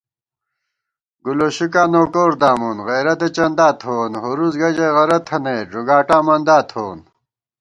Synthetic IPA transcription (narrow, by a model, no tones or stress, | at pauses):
ɡuloɕukaːnoːkoːɾd̪aːmunɣejɾɐt̪et͡ɕɐnd̪aːt̪ʰoːnɦoɾuzɡɐd͡ʑeɣɐɾɐt̪ʰɐneːʐuɡaːʈaːmɐnd̪aːt̪ʰoːn